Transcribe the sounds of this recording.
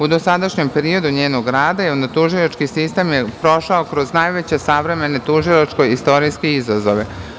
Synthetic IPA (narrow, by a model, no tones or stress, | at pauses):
ud̪o̞sad̪aʃɲe̞mpeɾio̞d̪uɲeːno̞ɡɾaːd̪ajeond̪at̪uʒilat͡ʃkisist̪e̞mjepɾo̞ʃaokɾo̞znajʋet͡ɕesaʋɾe̞me̞ne̞t̪uʒilat͡ʃko̞jist̪o̞ɾijskeizazo̞̰ʋe